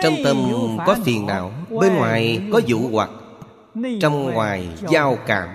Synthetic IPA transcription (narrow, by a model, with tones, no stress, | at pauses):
t͡ɕɔ˧wŋ͡mt̪ə˧mkɔ˨˦fi˨˩ənna̰ː˧˩˨wɓe˧nŋwaː˨˩jkɔ˨˦zṵ˧˩ɣwa˨˩k̚ | t͡ɕɔ˧wŋ͡mŋwaː˨˩jzaː˧wka̰ː˧˩m